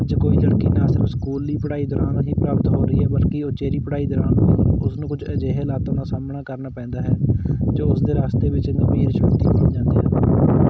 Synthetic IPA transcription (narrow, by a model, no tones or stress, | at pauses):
d͡ʒkoːiːləɽkiːnaːsɪɾəfskuːliːpəɽaːiːd̪ɔːɾaːnɦiːpɾaːpət̪ɦoːɾəiːɦɛːbəlkiːot͡ʃeːɾiːpəɽaːiːd̪ɔːɾaːnʊsnũːkʊd͡ʒəd͡ʒeːɦlaːt̪õːnãːsaːmɳaːkəɾnaːpɛ̃ːnd̪aːɦɛːd͡ʒoːʊsd̪eːɾaːst̪eːʋɪt͡ʃnebeːɾʃət̪iːkoːiːd͡ʒãːnd̪ḭːɦɛ̰ː